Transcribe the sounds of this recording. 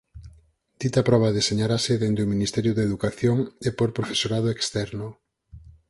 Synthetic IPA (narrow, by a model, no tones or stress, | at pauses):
d̪̥it̪apɾɔβ̞aðeseɲaɾaseðend̪euminist̪ɛɾjʊðeðukaθjoŋepoɾpɾofe̥soɾaðoekst̪ɛɾnʊ